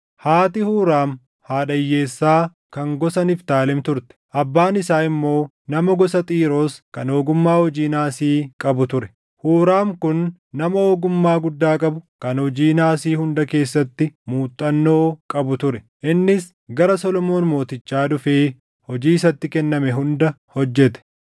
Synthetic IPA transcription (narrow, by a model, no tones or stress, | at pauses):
haːt̪ɪhuːɾaːm | haːᶑɐjːe̞ːsːaː | kɐŋɡɔsɐnɪft̪aːlɛmt̪ʊɾt̪ɛ̥ʔɐbːaːnɪsaːɪmːo̞ː | nɐmɐɡɔsɐt̪ʼiːɾo̞ːskɐno̞ːɡʊmːaːhɔd͡ʒiːnaːsiːkʼɐbʊt̪ʊɾɛ̥ | huːɾaːmkʊnː | ɐmɐoːɡʊmːaːɡʊd̪ːaːkʼɐbʊkɐnhɔd͡ʒiːnaːsiːhʊnd̪ɐke̞ːsːɐt̪ːɪmuːt̪ʼːɐnːo̞ːkʼɐbʊt̪ʊɾɛ | ʔɪnːɪs | ɡɐɾɐsɔlɔmo̞ːnmo̞ːt̪ɪt͡ʃːaːᶑʊfeː | hɔd͡ʒiːɪsɐt̪ːɪkɛnːɐmɛɦʊnd̪ɐ | hɔd͡ʒːɛt̪ɛ̥